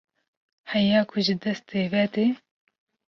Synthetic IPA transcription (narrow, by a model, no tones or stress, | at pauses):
hɛjaːkʰʊʒɨd̪ɛst̪eːvɛt̪e